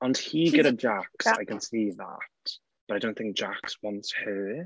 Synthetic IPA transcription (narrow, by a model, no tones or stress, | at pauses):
ə̃nhiɡɛɾəd͡ʒaksaɪkə̃nsiːða̰tt | b̥əɾaɪdõʊ̃nθɪŋk̚d̥ʒ̥akswɔ̃ntshə